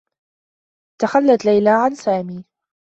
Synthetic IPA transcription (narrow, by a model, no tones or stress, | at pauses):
t̪axalːat̪lajlaːʕansaːmiː